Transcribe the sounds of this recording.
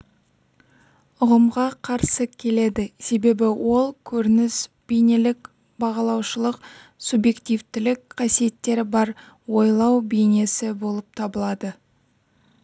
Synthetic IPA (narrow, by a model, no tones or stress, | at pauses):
ʊʁəmʁɑqʰɑɾsəkʲʰe̞le̞d̪ɪse̞be̞bɪwʔo̞lˠkʲʰɵɾɪnɪs | b̥ejnelɪk | bɑʁɑlˠɑwʃəlˠəq | subje̞kt̪ijvt̪ɪlɪkqʰɑsije̞t̪ːe̞ɾɪbɑɾ | wo̞jlˠɑwbejne̞sɪbo̞lˠəp̚t̪ʰɑbəlˠɑd̪ə